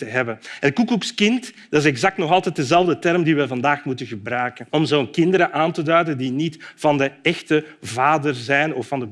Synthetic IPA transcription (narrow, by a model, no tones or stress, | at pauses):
təɦɛbənənkukukskɪnt | d̥ɑɪs̬ɛɡzɑk̚tnɔxɑlˠtɛt̚dəzɛlˠvdətɛrmdiʋɛvɑndaːxmutənɣəbɾœːkənɔmzoːnkɪndəɾəʔaːntədœɥdəndinitv̥ɑndəɛxtəvaːdərzɛjnɔfːɑndə